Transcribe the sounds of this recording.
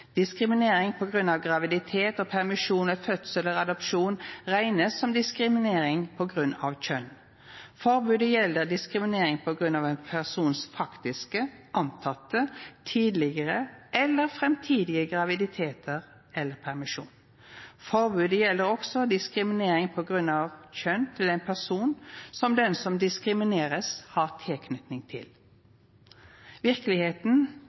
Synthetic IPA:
d̪̥ɪskɾɪmɪneːɾɪŋpʰɔɡʁʉnːɑʋɡʁɑʋɪd̪ɪt̪ʰeːt̪ɔpʰæʁmɪʂuːnɛfœt̪sələɾɑd̪ɔpʃuːnʁæɪnəsːɔmd̪ɪskɾɪmɪneːɾɪŋpʰɔɡʁʉnːɑ̰ʋc͡çœn | fɔʁbʉːd̪əjɛlːəɾd̪ɪskʁɪmɪneːɾɪŋpʰɔɡʁʉnːɑʋɛnpʰæʁsuːnsfɑkt̪ɪskəʔɑnt̪ʰɑt̪ːət̪ʰiːd̪lɪɡəʁəʔɛlːəʁfɾɛmt̪ʰiːd̪ɪəɡʁɑʋɪd̪ɪt̪ʰeːt̪ʰəʁ | ɛlːəɾpʰæʁmɪʃʂṵːn | fɔɾbʉːd̪əjɛlːəɾɔksɔd̪ɪskɾɪmɪneːɾɪŋpʰɔɡɾʉnːɑʋçœnt̪ʰɪlɛɪnpʰæʁsuːnsɔmd̪ɛnsɔmd̪ɪskɾɪmɪneːɾəshɑʁt̪ʰeːkʰnʏt̪nɪŋt̪ʰɪ̰l | ʋɪʁkəlɪheːt̪n̩

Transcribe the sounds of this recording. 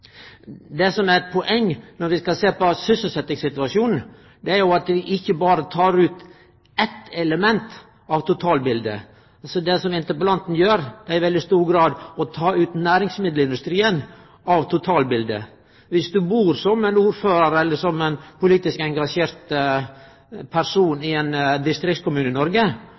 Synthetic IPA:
d̪ɛsɔmæɾɛt̪̚pʰɔʔɛŋːnɔɾʋɪskɑseːpɔsʏsəlsɛt̪nɪŋsɪt̪ʉɑʂjuːnn̩ | d̪ɛæɾjʊɑt̪ʋɪʔɪçːəbɑːɾət̪ʰɑːɾʉːt̪ | ɛt̪ːɛləmɛnt̪ | ɑʋt̪ʊt̪ʰɑːlbɪld̪ə̰ | ɑlsɔd̪ɛsɔmɪnt̪əpəlɑnt̪n̩jøːɾd̪ɛæɾɪʋɛld̪ɪst̪uːɾɡɾɑːd̪ɔt̪ʰɑːʉːt̪næːɾɪŋsmɪd̪lɪnd̪ʉst̪ɾiːən | ɑʋt̪ʰʊt̪ʰɑːlbɪld̪ə̰ | ʋɪsd̪ʉbuːɾsɔmɛnuːɾføːɾəɾɛlːəsɔmɛnpʰʊliːt̪ɪskɛŋɡɑʂeːɾt̪ | pʰæɾsuːnɪɛnd̪ɪst̪ɾɪkt̪̚kʊmʉːnəɪnɔɾɡə

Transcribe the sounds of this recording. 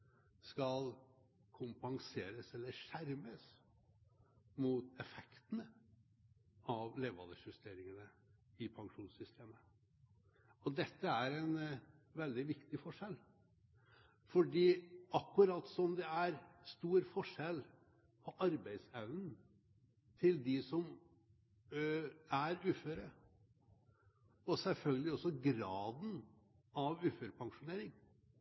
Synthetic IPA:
skɑl | kʰʊmpɑŋseːɾəsɛlːəʂæɾməs | mut̪ɛfɛkt̪nə | ʔɑʋleːʋɑ̰d̪əçʉst̪ʰeːɾɪŋənəɪpʰɑŋʂuːnsʏst̪ʰeːmə | ɔd̪ɛt̪ːəæɾɛnʋɛld̪ɪʋɪkt̪ɪfɔʂɛl | fɔɖiːɑkːʉɾɑt̪ːsɔmd̪ɛæɾst̪uːɾfɔʂɛl | pʰɔʔɑɾbæɪd̪sæʋnn̩ | t̪ʰɪld̪ɪsɔm | æɾʉːføːɾə | ɔsɛlfœlɡəlɪɔsɔɡɾɑːd̪n̩ | ɑʋʉːføːɾpʰɑŋʂʊneːɾɪŋ

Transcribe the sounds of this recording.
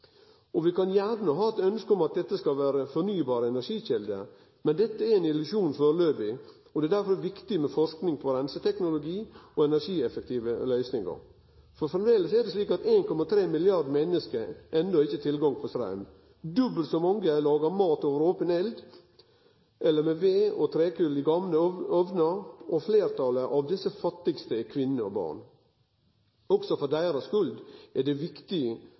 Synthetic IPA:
ɔʋɪkɑnjæːnəɦɑːɛt̪œnskəɔmɑt̪̚d̪ɛt̪ːəskɑʋæːɾəfɔɾnyːbɑːɾəɛnæɾʂiːɕɛld̪ə̰ɾ | mɛnd̪ɛt̪ːəæɾɛɪnɪlʉsuːnfɔɾløːbɪ | ɔd̪ɛæd̪æɾfɔɾɛʋɪkt̪ɪmɛfɔʂknɪŋpʰɔɾɛnsət̪ʰɛknʊlʊɡiːɔɛnæɾʂiːɛfək̚t̪ʰiːʋəlœʏsnɪŋə̰ɾ | fɔɾfɾɑmd̪eːləsæd̪ɛsliːkɑt̪eːnkɔmɑt̪ʰɾeːmɪlɪɑɾd̪mɛnːəskəɾʔɛnd̪ɔɪçːət̪ʰɪlɡɑŋpʰɔst̪ɾɑ̰ʉm | d̪ʉbəlt̪sɔmɑŋɡəlɑːɡəɾmɑːt̪oːʋəɾoːpənɛld̪ | ʔɛlːəɾmɛʋeːɔt̪ʰɾeːkʉlɪɡɑmləɔʋnəɾɔfleːɾt̪ʰɑləʔɑʋd̪ɪsəfɑt̪ːɪɡst̪əkʰʋɪnːəɔ̰bɑ̰ːɳ | ɔksɔfɔd̪æɪɾɑskʉld̪ɛd̪ɛʋɪkt̪ɪ

